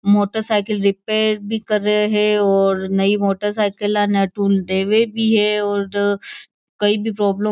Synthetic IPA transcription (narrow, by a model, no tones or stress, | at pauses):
moːʈəɾsaːɪkəlɾɪpeːɾbʱikɐɾːɐeɦɛɔːɾnɐimoːʈəɾsaːɪkəlanɛːʈuːld̪eːʋebʱiɦɛɔːɾ | kɐibʱipɾɔːblə̃